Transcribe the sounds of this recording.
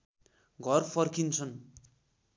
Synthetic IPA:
ɡʱʌrpʰʌrkint͡sʰʌn

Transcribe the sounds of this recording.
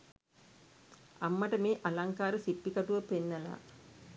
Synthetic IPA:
amːɐʈəmeːʔalaŋkaːɾəsipːikaʈuʋəpenːɐla̰ː

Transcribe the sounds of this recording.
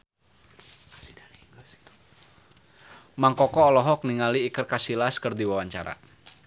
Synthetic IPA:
maŋkɔkɔːlɔɦɔk̚niŋaliːkərkasilaskɨrdiwawaɲt͡ʃa̰ɾa̰

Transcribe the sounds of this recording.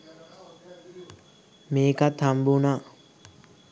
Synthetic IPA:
meːkat̪hambuna

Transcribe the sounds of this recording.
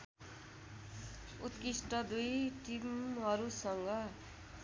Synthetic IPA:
ut̪kisʈʌd̪ujʈimɦʌɾusʌŋɡʌ

